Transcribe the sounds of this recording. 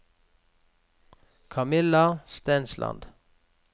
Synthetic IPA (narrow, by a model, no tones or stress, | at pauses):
kʰɑmɪlɑst̪æːnslʔɑ̰nd̪̥